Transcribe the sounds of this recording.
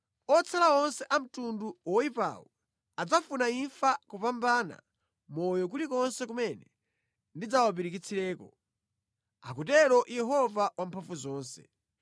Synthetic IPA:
ɔt͡sʰalaɔnsɛʔam̩tunduwɔipa̰wɔ | ad͡zafunaiɱfakupambana̰ | mɔjɔk̬ulikɔnsɛkumɛnɛ | ndid͡zawap̬iɾik̬it͡sʰiɾɛːkɔ | akutɛɾɔʔjɛɦɔvawampʰaɱfuzɔːnsɛ̥̰

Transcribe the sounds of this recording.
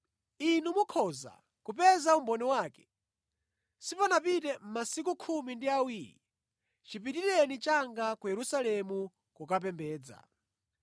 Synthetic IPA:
inumukʰɔza̰ | kup̬ɛzaumbɔnɛwaːkɛ̥ | sipɔnapitɛm̩masik̬ukʰumindiawiːɾḭ | t͡ʃipitilɛnit͡ʃaŋɡakujɛɾusalɛmu | kukap̬ɛmbɛːd͡za̰

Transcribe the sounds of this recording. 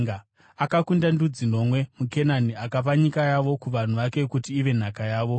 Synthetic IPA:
akakundandud͡zino̞mwe̞muke̞naniakap̬aɲikajaʋo̞kuʋan̤uʋake̞kutiːʋe̞n̤akajaːʋo̞

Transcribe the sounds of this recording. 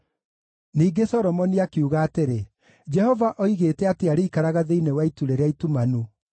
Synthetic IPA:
niːɡesɔɾɔmɔniakeuɣaːteɾe | d͡ʒɛhɔvaʔɔiɣeːtɛateaɾeikaɾaɣaðeinewaituɾeɾeaitumanu

